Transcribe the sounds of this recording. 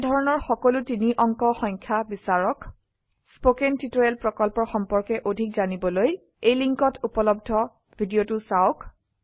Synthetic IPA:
dʱɔɹɔnɔɹxɔkɔlʊtiniʔɔŋkɔxɔŋkʰjabisaɹɔk | spokentitoɹɛlpɹɔkɔlpɔɹxɔmpɔɹkɛʔodʱikzanibɔloj | ejliŋkɔtʰupɔlɔbdʱɔ | bʱidiotʊsaʊk

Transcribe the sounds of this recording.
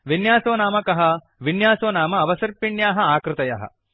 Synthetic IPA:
ʋinjaːsoːnaːmɐkɐɦɐ | ʋinjaːsoːnaːmɐːʋɐsɐɾpiɳjaːɦɐaːkɾɪt̪ɐjɐ̰ɦɐ̰

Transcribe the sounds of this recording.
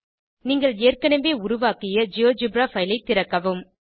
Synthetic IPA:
niːŋɡɐɭeːrkɐɳɐʋbeːʊɾʊʋaːkɪjɐd͡ʒɪjoːd͡ʒɪbɾaːfɐɪjlɐɪt̪ːɪɾɐkːɐʋɯm

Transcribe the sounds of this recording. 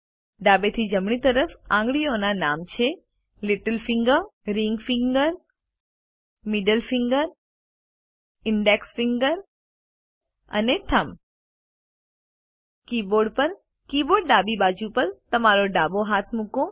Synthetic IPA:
ɖabet̪ʰid͡ʒəmɳit̪əɾəfã̰ŋɡɭionanamt͡ʃʰe | liʈəlfiŋɡəɾiŋɡfiŋɡəɾ | miɖəlfiŋɡəɾ | ɪɳɖeksfiŋɡəɾ | ə̰net̪ʰəm | kiboɖpəɾ | kiboɽɖabibad͡ʒupəɾt̪əmaɾoɖaboɦat̪ʰmuko

